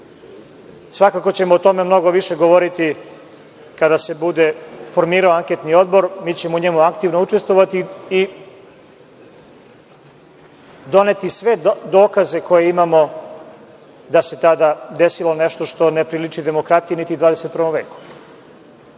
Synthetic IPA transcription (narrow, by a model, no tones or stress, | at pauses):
sʋakakot͡ɕe̞moːt̪o̞me̞mno̞ɡo̞ʋiʃe̞ɡoʋo̞ɾit̪i | kad̪ase̞bud̪e̞fo̞ɾmiːɾaoaŋket̪nio̞d̪bo̞ɾmiːt͡ɕe̞mouɲemuakt̪iʋnout͡ʂest̪ʋo̞ʋat̪ii | d̪o̞net̪isʋe̞d̪o̞ːkaze̞ko̞je̞imamo̞ | d̪ase̞t̪ad̪ad̪e̞silˠo̞neʃt̪o̞ʃt̪o̞nepɾilit͡ʂid̪e̞mo̞kɾat̪ijenit̪id̪vaːd̪e̞se̞t̪̚pr̩ʋo̞mʋe̞ːku̥